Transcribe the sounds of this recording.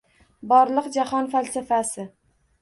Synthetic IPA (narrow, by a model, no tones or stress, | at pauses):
bɒɾlˠɨqd͡ʒahɒnfalsafasɪ